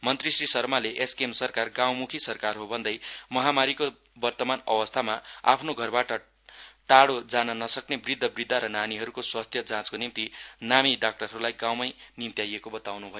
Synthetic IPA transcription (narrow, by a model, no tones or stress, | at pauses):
mʌnt̪risrisʌrmaleʔeskemsʌrkarɡãw̃mukʰisʌrkarɦobʱʌnd̪ʌjmʌɦamaɾiko | bʌrt̪ʌmanʌ̰wʌst̪ʰamaa̰pʰnoɡʱʌrbaʈʌ | ʈaɽod͡zanʌnʌsʌknebrid̪ʱːʌbrid̪ʱːaɾʌnaniɦʌɾukoswast̪ʰjʌd͡zãt͡skonimt̪inamiɖak̚ʈʌrɦʌɾulajɡãw̃majnimt̪jajekobʌt̪awnubʱʌjo